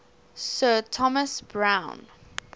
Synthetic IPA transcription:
sɜtʰɔməsbɹãʊ̃n

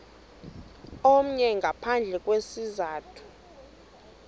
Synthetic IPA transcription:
om̩ɲɛŋɡʱapʰand͡ɮʱɛk̬ʼwesizaːtʰu̥

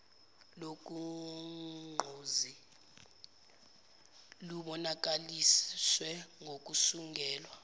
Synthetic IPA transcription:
lok̬ʼu | ŋ͡ǃʱozi | luɓɔnak̬ʼaliswɛŋɡʱok̬ʼusuŋɡʱɛːlwa

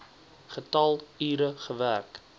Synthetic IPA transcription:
χətɐlˠiːɾəχəværk

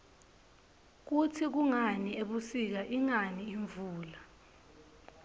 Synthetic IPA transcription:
k̬utʰik̬uŋanieɓusik̬aʔiŋaniːɱvuːla

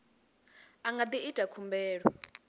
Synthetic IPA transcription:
aŋɡad̪iid̥ʱakʰumbɛːɺɔ

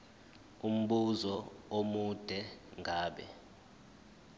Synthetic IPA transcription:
um̩ɓuzɔomud̥ʱɛŋʱaːɓɛ̰

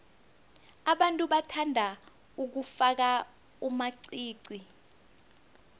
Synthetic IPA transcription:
aɓantʼuɓatʰandʱa | uk̬ufak̬a | umaǀiːǀi

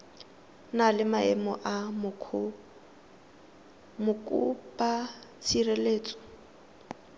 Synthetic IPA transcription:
nalɪmaɛ̰mɔʔamʰ | mʊkʼṵpʼat͡sʰireleːt͡sʼɔ̥

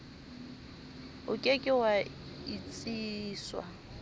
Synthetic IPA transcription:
ʊkʼekʼɪwa | it͡sʼiːswa̰

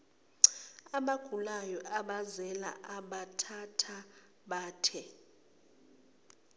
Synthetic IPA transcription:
aɓaɡ̥ʱulajɔʔaɓazɛla̰ʔaɓatʰatʰa | ɓaːtʰɛ

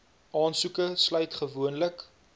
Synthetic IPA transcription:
ʔɑːnsukəslœɥtχəvuənlək

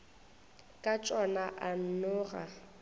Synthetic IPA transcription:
kʼat͡ʃʼɔnaʔan̩nʊːra

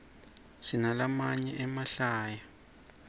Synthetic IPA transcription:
sinalamaɲɛʔɛmaɬaːja

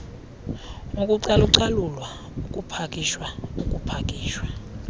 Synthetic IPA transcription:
ukʼuǀaluǀalulwa | ukʼupʰakʼiʃwaukʼupʰakʼiːʃwa

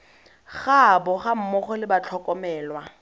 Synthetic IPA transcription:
χabɔχam̩mɔχɔlɪbat͡ɬʰɔkʼɔmɛːlwa

